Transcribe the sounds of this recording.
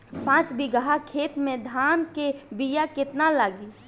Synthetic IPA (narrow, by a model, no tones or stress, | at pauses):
pãːt͡ʃbiɡəɦakʰeːt̪mẽd̪ʱaːnkebijakɪt̪nalaːɡi